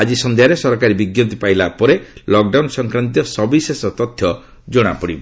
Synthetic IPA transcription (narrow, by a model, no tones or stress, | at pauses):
ad͡ʒisɔnd̪eaɾesɔɾɔkaɾibiɡjɔnt̪ipaijlapɔɾelɔk̚ɖawnsɔŋkɾant̪̬ijɔsɔbisesɔt̪ɔt̪ʰjɔ | d͡ʒɔɽ̃a̰pɔɽibɔ